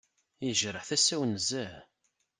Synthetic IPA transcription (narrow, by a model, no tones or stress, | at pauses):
jəʒɾəħθæsæwnəzæ